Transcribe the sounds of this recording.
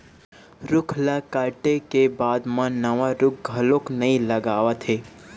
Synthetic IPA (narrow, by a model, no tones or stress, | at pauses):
ɾʊkʰlakaːʈekebaːd̪mãnɐʋaɾʊkɡʱɐloknɐɦĩlɐɡaːʋat̪ʰeː